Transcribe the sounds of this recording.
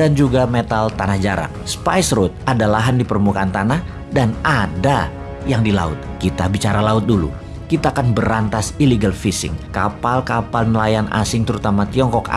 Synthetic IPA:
and͡ʒuɡamet̪alt̪anahd͡ʒaɾa̰k̚spajsɾʊt̪̚ʔadalaɦandipərmukant̪anah | danada | jaŋdila̰ʊ̰t̪̚kit̪abit͡ʃaɾalaʊt̪̚dulṵ | kit̪aːkanbəɾant̪asiliɡalfisɪ̰ŋkapalkapalnəlajanʔa̰sɪŋt̪əɾut̪amat̪iɔŋkɔk

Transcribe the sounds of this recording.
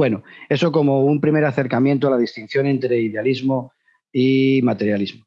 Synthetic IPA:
we̞noe̞soko̞mo̞umpɾime̞ɾaθe̞ɾkamjent̪̬oalað̞ist̪in̟θjo̞nent̪ɾe̞iðealizmo | imat̪e̞ɾjalizmo

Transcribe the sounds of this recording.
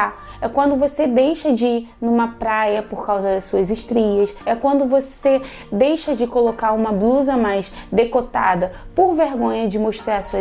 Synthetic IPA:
a | ɛkwɐ̃nd̪ʊvosed̪ejʃɐd͡ʒɪinũmɐpɾajɐpoɾkawzɐd̪ɐsuɐziʃt̪ɾiɐsɛkwɐ̃nd̪ʊvose | d̪ejʃɐd͡ʒɪkolokaɾũmɐbluzɐmajsd̪ekot̪a̰d̪ɐpoɾveɾɡõɲɐd͡ʒɪmoʃt̪ɾaɾɐsuɐ

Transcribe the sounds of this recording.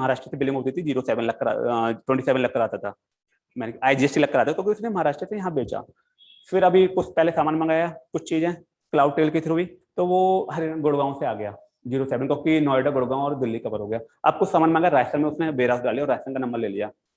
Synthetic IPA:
mɐɦaːɾaːʃʈɾəsebɪlɖɪ̃ŋɦoːt̪it̪ʰid͡ʒiːɾosɛːʋənlɐkːəɾa̰ʈwɛ̃ɳʈisɛːʋə̃nlɐkːəɾaːt̪at̪ʰaː | mɛ̃ːneaːid͡ʒiːɛsʈilɐkːəɾaːt̪at̪ʰõːkiʊsnemɐɦaːɾaːʃʈɾəsejɐɦãbeːt͡ʃa̰ː | fɪɾɐbʱikʊt͡ʃʰpɛɦlesaːmaːnmɐ̃ŋɡaːjakʊt͡ʃʰt͡ʃiːzɦɛ̃ː | klaːʊɖ̚ʈeːlkit̪ʰɪɾɦuiːt̪oʋoɦɐɾeːɾnɡʊɽɡaːõseaːɡɐjaː | d͡ʒiːɾosɛːʋənkokinɔːɪɖaɡʊɽɡaːõɔːɾd̪ɪlːikɐpəɾɦoːɡɐjaːɐ̰b̚kʊt͡ʃʰsaːmaːnmɐ̃ŋɡaɾaːjəstɾənmẽʊsnebeːɾaːsɖaːliaɔːɾaːjəst̪ənkanɐ̃mbəɾleːlijaː

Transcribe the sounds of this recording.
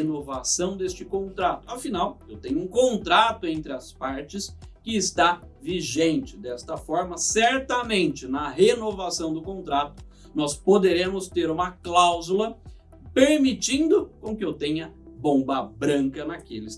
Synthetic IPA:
enovasɐ̃w̃d̪est͡ʃɪkõnt̪ɾat̪ʊɐfinawewt̪ẽɲʊũkõnt̪ɾat̪ʊẽnt̪ɾɪɐspaɾt͡ʃɪskɪɪst̪a | viʒẽnt͡ʃɪd̪ɛst̪ɐfɔɾmɐsɛɾt̪ɐmẽnt͡ʃɪnɐɦenovasɐ̃w̃d̪ʊkõnt̪ɾat̪ʊ̥ | nɔspod̪eɾẽmʊst̪eɾũmɐklawzulɐ | peɾmit͡ʃĩnd̪ʊkõkɪewt̪ẽɲɐbõbɐbɾɐ̃ŋkɐnɐkelɪ

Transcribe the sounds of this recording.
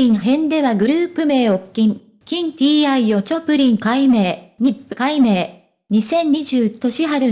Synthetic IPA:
ĩŋɦẽ̞nd̪e̞βaɡɯ̟ɾɯ̟ːpɯ̟me̞ːo̞kʲːĩŋ | kʲĩnt̪ʲiːaijo̞t͡ɕo̞pɯ̟ɾʲĩŋkaime̞ːɲ̟ipːɯ̟kaime̞ː | ɲ̟isẽ̞ɲɲiʑɨːt̪o̞ɕiɦaɾɯ̟

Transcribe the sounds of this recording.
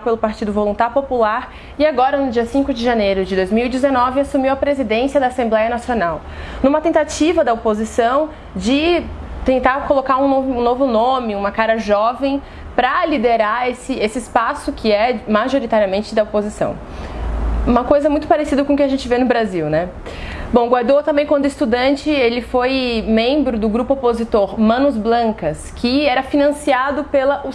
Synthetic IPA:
pelʊpaɾt͡ʃid̪ʊvolũnt̪aɾpopulaɾ | ɪaɡɔɾɐnʊd͡ʒiɐsĩkʊd͡ʒɪʒanejɾʊd͡ʒɪd̪ojzmiwid͡ʒɪzenɔvɪasumiwɐpɾezid̪ẽsiɐd̪aːsẽmblɛjɐnasionaw | nũmɐt̪ẽnt̪at͡ʃivɐd̪ɐopozisɐ̃w̃ | d͡ʒɪt̪ẽnt̪aɾkolokaɾũnoũnovʊnõmɪũmɐkaɾɐʒɔvẽj̃ | pɾɐlid̪eɾaesɪesɪːspasʊkʰɪɛmaʒoɾit̪aɾiɐmẽnt͡ʃɪd̪ɐopozisɐ̰̃w̃ | ũmɐkojzɐmũj̃t̪ʊ̥paɾesid̪ɐkõkɪaʒẽnt͡ʃɪvenʊbɾaziwnɛ | bõw̃ɡwaɾd̪owt̪ɐ̃mbẽj̃kwɐ̃nd̪ʊɪst̪ud̪ɐ̃nt͡ʃɪelɪfojmẽbɾʊd̪ʊɡɾupʊopozit̪oɾmɐ̃nʊzblɐ̃kɐskʰɪɛɾɐfinɐ̃siad̪ʊpelɐʔu

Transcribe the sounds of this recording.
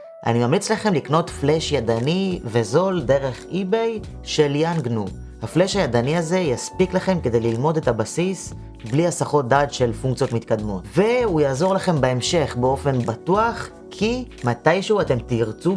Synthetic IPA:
ʔa̰nimamlit͡slaχe̞mlikno̞tfleʃjadanive̞zo̞lde̞ʁe̞χibe̞j | ʃe̞ljanɡnu | hafleʃhajad̪aniaze̞jaspiklaχe̞mke̞d̪e̞jlilmo̞de̞tabasis | bliasaχo̞t̚d̪aːtʃe̞lfuŋk̚t͡sjo̞t̪mit̪kad̪mo̞tve̞ujaːzo̞ʁlaχe̞mbeemʃe̞χbeo̞fe̞nbatuaχ | kʰi | matajʃeuate̞mtiʁt͡su

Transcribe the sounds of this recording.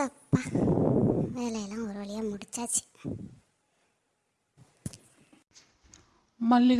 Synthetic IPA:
ɐpːa | ʋeːlɛjɐlãːɔɾɯʋɐɭijaːmuɽɪt͡ʃːaːt͡ʃːi̥ | mɐlːiɣ

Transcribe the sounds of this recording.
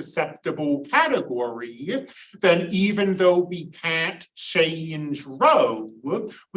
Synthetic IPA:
ɨsɛp̚tɨbəl̩ˠkʰæɾɨɡɔɹiðɨ̃nivɨ̃nðoʊwikʰæ̃nt͡ʃʰẽɪ̃nd͡ʒɹoʊw

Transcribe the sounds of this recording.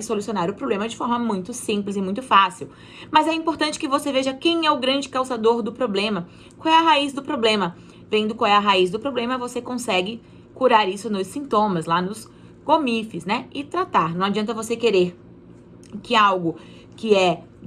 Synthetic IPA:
esolusionaɾʊpɾoblẽmɐd͡ʒɪfɔɾmɐmũj̃t̪ʊsĩplɪzɪmũj̃t̪ʊfasiw | mɐzɛĩpoɾt̪ɐ̃nt͡ʃɪ̥kɪvoseveʒɐkẽj̃ɛʊɡɾɐ̃d͡ʒɪkawsad̪oɾd̪ʊpɾoblẽmɐ | kãw̃ɛɐɦaizd̪ʊpɾoblẽmɐ | vẽd̪ʊkwãw̃ɛɐɦaizd̪ʊpɾoblẽmɐvosekõsɛɡɪ | kuɾaɾisʊnʊsĩnt̪õmɐslanʊz | ɡomifɪsnɛɪt̪ɾat̪aɾnɐ̃w̃ad͡ʒiɐ̃nt̪ɐvosekeɾeɾ | kɪawɡʊ | kɪɛ

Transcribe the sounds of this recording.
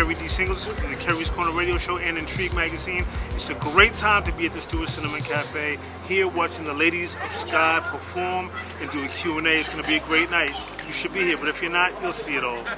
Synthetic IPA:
ɛɹidisɪ̃ŋɡl̩ˠzɨkʰɛɹɹiz̥kʰɔɹnə˞ɹeɪɾioʊʃoʊʔɨ̃nɨ̃ntʰɹ̥iɡ̚mæɡɨzĩnɨtsɨɡɹeɪtʰãɪ̃mtɨbiɨt̪̚ðɪsd̥uɨsɪ̃nɨmɨ̃nkʰæfeɪ | hiɹwɑt͡ʃɪ̃ŋðəleɪɾizʌv̥skaɪpʰə˞fɔɹm | ɨ̃ndɨɨkʰj̥ʉɛ̃neɪɨtzɡ̥ʌnɨbiɨɡɹeɪtⁿnaɪt̚ | jɨʃɨd̚bihiɹbʌɾɨfjə˞nət̚julˠsiɨɾɔlˠ

